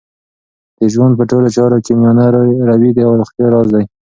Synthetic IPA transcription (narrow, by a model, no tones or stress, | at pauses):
d̪̥əʒwand̪̚pəʈolot͡ʃɑɾokemijɑnaɾɾawid̪iawɾʊxt̪jɑɾɑzd̪aj